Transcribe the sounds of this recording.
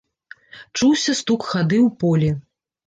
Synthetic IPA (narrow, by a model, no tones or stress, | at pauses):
t͡ʂuwsʲɐst̪ukxad̪ɨwpɔlʲi